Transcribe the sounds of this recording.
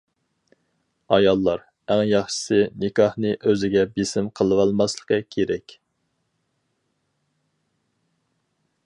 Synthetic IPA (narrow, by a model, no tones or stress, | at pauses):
ɑjɑlˠːɑɾ | æŋjɑχʃɪ̥sɨnɪkʰɑhnɨʔøzɪɡʲɛbesɪmqʰəlˠɨwɑlˠmɑslˠəqəkʲʰeɾɛkʲ